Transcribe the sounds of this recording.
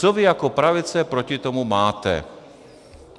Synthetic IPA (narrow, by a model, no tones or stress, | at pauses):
t͡sɔʋiakɔpɾaʋit͡sɛpɾɔcit̪ɔmumaːt̪ɛ̰